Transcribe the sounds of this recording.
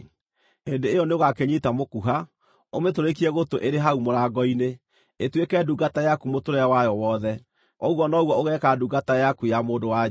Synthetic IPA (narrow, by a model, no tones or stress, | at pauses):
endeːjɔneoɣakeɲitamokuɦa | ometoɾek̬iɛɣotoʔeɾeɦaumoɾaːɡɔine | etwekɛːduɡatajakumotoɾɛwajɔwɔðɛ | ɔɣwɔnɔɣwɔoɣɛkaduɡatajakujamoːdowa